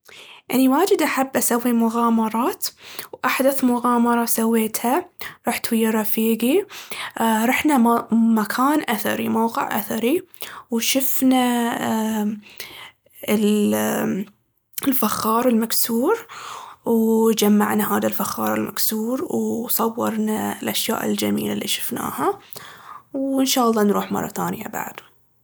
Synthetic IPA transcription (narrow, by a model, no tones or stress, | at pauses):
ʔa̰niwaːd͡ʒɪd̪ʔaħabːʔasawːimʊɣaːmɑɾˤɑːt̪wʔaħd̪aθmʊɣɑːmɑɾˤɑsawːeːt̪haɾˤɑːħt̪wajːɑɾˤɑfiːɡi | ɾˤɑħnamakʰaːnʔaθɑ̰ɾimawqɪ̰ʕʔa̰θaɾiwʃʊfna | ɪl | ɪlfaxːɑːɾˤɪlmaksuːɾ | wd͡ʒamːa̰ʕnaɦaːðalfaxːɑːɾˤɪlmʔaksuːɾwsˤɑwːɑɾˤnalʔaʃja̰ːʔɪ̰ld͡ʒamḭːlalːiʃɪ̥fna̰ːha | wɪnʃaːʔɑlˤːɑːnɾuːħmɑ̰rˤːɑ̰θa̰ːnja̰ba̰ʕd̪